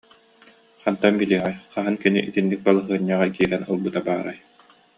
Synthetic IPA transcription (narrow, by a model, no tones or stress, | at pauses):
χant̪ambiliːʁɛjqaɦɯnkinḭʔit̪inːik̚balˠɯɦɯɐɲːaːʁakiːɾɛnulˠbɯt̪abaːɾaj